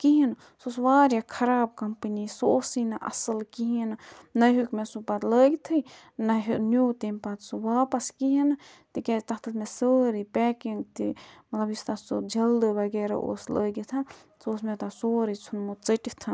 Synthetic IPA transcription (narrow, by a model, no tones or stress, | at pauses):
kiɦin | sosʋaːɾjakʰɐɾaːb̚kɐmpənisoːsinɐʔɐ̰sɨlkiɦinnɐɦukmesupat̪ləːɡit̪ʰɨ | nɐɦnjuːt̪empat̪suʋaːpɐskiɦint̪ikʲat̪ɐɦt̪ɨt̪mesəːɾipɛːkiŋɡt̪ḭmɐt̪lɐbjist̪asud͡ʒɐld̪bɐɡeːɾa̰ʔo̰ːsləːɡit̪ʰɐ | soːsmet̪asoːɾit͡sʰunmut͡sɐʈit̪ʰɐn